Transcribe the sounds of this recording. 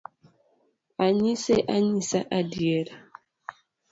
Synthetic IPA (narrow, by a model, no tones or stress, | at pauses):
aɲiseʔaɲisaʔadieɾa